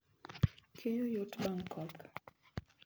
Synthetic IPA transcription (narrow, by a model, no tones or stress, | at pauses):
kʰejojotbaŋkʰɔka